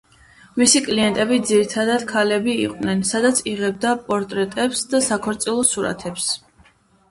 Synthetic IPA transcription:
misikʼliɛnt̪ʼɛbid̪ziɾit̪ʰad̪ad̪̥kʰalɛbiḭqʼnɛnsad̪at̪sʰiʁɛb̚d̪apʼɔɾt̪ʼɾɛt̪ʼɛpsd̪asakʰɔɾt̪sʼilˠɔsuɾa̰t̪ʰɛps

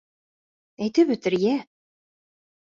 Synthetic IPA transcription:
æjt̪ɘβɵ̆t̪ɘ̆ɾjæ

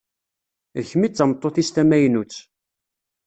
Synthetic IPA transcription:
əçmit͡sːəmt̪ˤːoθist̪æmæjnut͡sː

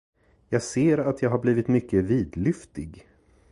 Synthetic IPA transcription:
jɑːɡseːɾat̪ʰjɑːɡɦaɾbliːvɪt̪mʏkːəviːd̪lʏft̪ɪɡ

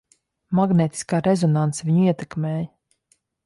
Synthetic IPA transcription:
maɡneːt̪i̥skaːɾezɔnant̪sviɲuiɛt̪ɛkmeːj

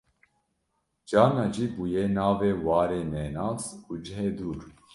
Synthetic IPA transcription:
d͡ʒɑːnɑd͡ʒiːbuːjenɑːveːwɑːɾeːnɛːnɑːzuːd͡ʒəɦeːd̪uːɾ

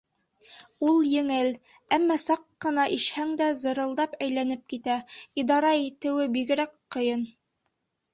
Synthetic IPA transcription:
ulˠjɘ̆ŋɘl | æmːɑsɑqːɤ̆nɑʔiʃhæŋd̪æzɤ̆ɾɤ̆lˠd̪ɑpæjlænɘp̚kit̪æid̪ɑɾɑit̪ɘ̆wɘbiɡɘ̆ɾækqɤ̆jɤn

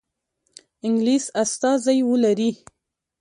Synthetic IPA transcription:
ɪŋɡlisast̪ɑzajwəlaɾi

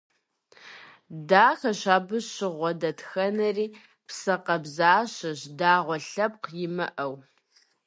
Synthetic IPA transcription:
daːxɐɕaːbɨɕɪʁʷɔdɐtʰxɐnɐriː | psɐqɐbzaːɕɐɕdaːʁʷɔɬɐp̚qjɪmɐʔɐw

